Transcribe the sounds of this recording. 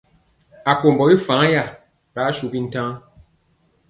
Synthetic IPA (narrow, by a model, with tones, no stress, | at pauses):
a˨ko˨mbɔ˨i˦fã˨˦ja˦˨ | ɾa˨˦ʃu˦bi˦n̩˦tã˦